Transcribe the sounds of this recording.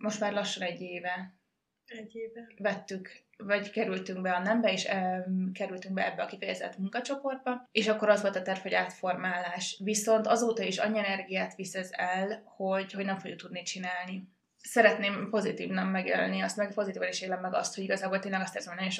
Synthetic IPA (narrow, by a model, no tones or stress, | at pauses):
mo̞ʃt̪maːrlɒʃːɒnɛɟːeːvɛ | vvɛt̪ːyk | vɒɟkɛɾylt̪yŋɡbɛɒnɛmbɛeːʃkɛɾylt̪yŋɡbɛɛ̰bːɛɒkifɛjɛzɛ̰t̪muŋkɒt͡ʃo̞po̞rd̪̚bɒeːʃɒkːo̞ɾɒzʋo̞lt̪ɒt̪ɛrfhoɟaːt̪fo̞rmaːlaːʃviso̞nt̪ɒzoːt̪ɒiʃɒ̰ɲːiɛnɛrɡijaːt̪ʋisɛzɛlho̞ɟho̞ɟnɛɱfojuk̚t̪ud̪nit͡ʃinaːlni | sɛɾɛt̪neːmpo̞zit̪ḭːvnɒkmɛɡjɛ̰l̰lniɒst̪mɛɡpo̞zit̪iːvɒniʃjeːlɛmːɛɡɒ̰st̪hoɟiɡɒzaːbolt̪eːnlɛɡɒst̪ɛːrzɛmɒnɛjeʃ